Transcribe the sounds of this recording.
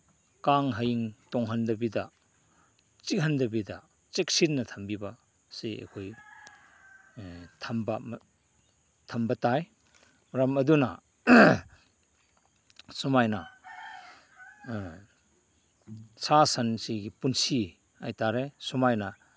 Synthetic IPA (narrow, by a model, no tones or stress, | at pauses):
kaŋɦɐjiŋtɔŋɦɐndɐbidɐ | t͡ʃikɦɐndɐbidɐ | t͡ʃek̚sinnːɐtʰɐmbibɐ | siḛkʰoj | tʰɐmbɐ | tʰɐmbɐtaj | ɾɐmɐdunɐ | sumajnɐ | sʰasɐnsiɡipunsi | a̰jtaɾesumajnɐ